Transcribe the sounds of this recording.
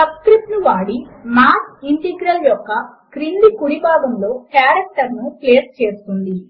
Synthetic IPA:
sɐbskɾip̚ʈnuʋaːɽimaːsiɳʈeɡɾɐljɔkːɐ | kɾinlikuɽibaːɡɐmlo̞ːkjaːɾɐk̚ʈɐɾnupleːst͡ʃe̞ːst̪und̪i

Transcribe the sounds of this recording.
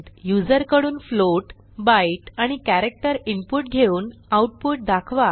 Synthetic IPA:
jud͡zəɾkəɽuːnfloʈ | baiʈaɽ̃ikæɾek̚ʈəɾimpuʈɡʱeuːnawʈ̚puʈ̚d̪akʰʋa

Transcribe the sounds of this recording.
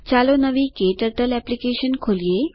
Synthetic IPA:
t͡salonəʋikeʈəɾʈəlɛplikeɕənkʰolije

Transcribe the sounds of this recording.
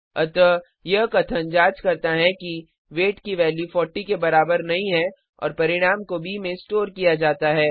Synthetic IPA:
ɐt̪ə | jɐɦkɐt̪ʰənd͡ʒaːt͡ʃkɐɾt̪aɦɛki | ʋeːʈkiʋɛːljufɔːɾʈikebɐɾaːbəɾnɐɦĩɦɛ | ɔ̰ːɾpɐɾɪɽ̃aːmkobʱimẽsʈoːɾkijad͡ʒaːt̪aɦɛː

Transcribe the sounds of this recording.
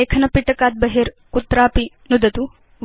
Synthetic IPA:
eːkʰɐnɐpiʈɐkaːt̪̚bɐɦeɾ | kut̪ːɾaːpi | nud̪ɐt̪u | ʋ

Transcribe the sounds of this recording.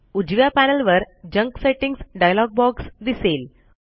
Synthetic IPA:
ud͡ʑʋjapænəlʋəɾ | d͡ʑəŋkseʈiŋɡsɖajlɔɡ̚bɔksd̪isel

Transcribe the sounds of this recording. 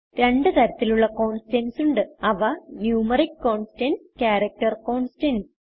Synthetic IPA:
ɾe̞ɳɖɨt̪ɐɾɐt̪ːiluɭːɐko̞ːɳsʈensuɳɖɨɐʋɐnjuːmɐrikːoːɳsʈenskʲaːɾɐk̚ʈɐrkoːɳsʈens

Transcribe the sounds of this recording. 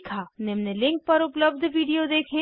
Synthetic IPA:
kʰanemnelɪ̃ŋk̚pɐɾʊpləb̚d̪ʱʋiːɖijod̪eːkʰẽ

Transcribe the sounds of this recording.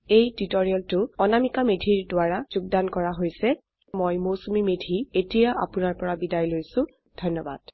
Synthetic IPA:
ejtitɔɹiɔltʊɔnamikamedʱiɹdʊaɹaz̥uɡ̚dankɔɹaɦojsɛ | mojmosumimedʱietijaʔa̰pʊnaɹpɔɹabidajlojsʊ̃ | d̥ʱɔnːɔba̰d̥

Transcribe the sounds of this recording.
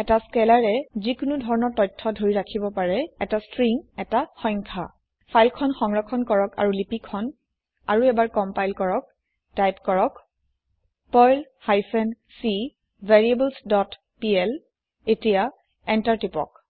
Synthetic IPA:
ɛtaskɛlaɹɛzikʊnudʱɔɹɔnɔɹtɔjtʰːɔdʱoɹiɹakʰibɔpaɹɛɛtastɹiŋɛtaxɔjŋkʰa̰ | pʰajlkʰɔnxɔŋɹɔkʰɔnkɔɹɔka̰ɹulipikʰɔn | a̰ɹuɛbaɹkɔmpajlkɔɹɔk̚ | tajpkɔɹɔk | pɔjl | hajfʰɛnsi | veɹiebɔlsdɔt | piɛl | etija | ɛntaɹtipɔ̰k̚

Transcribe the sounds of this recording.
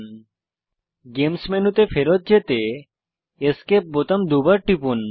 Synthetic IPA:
ɡemsmenut̪efʰeɾot̪̚d͡ʑet̪e | eskep̚bot̪amd̪ubaɾʈipun

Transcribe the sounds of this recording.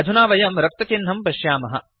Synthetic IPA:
ɐd̪ʱunaːʋɐjɐmɾɐk̚t̪ɐt̪inɦɐmpɐʃjaːmɐɦɐ̰

